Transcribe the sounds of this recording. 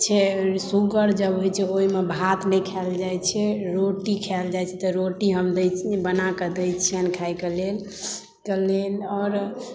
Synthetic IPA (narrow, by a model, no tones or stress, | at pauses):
t͡ʃʰɛsuɡəɾd͡ʒəbɦojt͡ʃʰɛoimebʱat̪nɛjkʰɛld͡ʒajt͡ʃʰɛɾoʈikʰɛld͡ʒajt͡ʃʰɛt̪ɔɾoʈiɦəmd̪ɛjt͡ʃʰbənaked̪əjt͡ʃʰiɛnkʰajkelel | kelelɔːɾ